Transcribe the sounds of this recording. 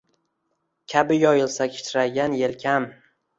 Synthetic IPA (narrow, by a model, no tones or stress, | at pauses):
kʲʰabɪjɒjɪlsakʲʰɪ̥t͡ʃʰɪɾaɡʲanjelkʲʰam